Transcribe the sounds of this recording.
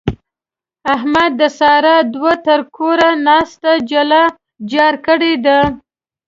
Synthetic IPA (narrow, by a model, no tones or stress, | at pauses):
aɦmad̪ːəsɑɾad̪wat̪əɾkʰoɾanɑst̪ad͡ʒala | d͡ʒɑɾkəɽed̪a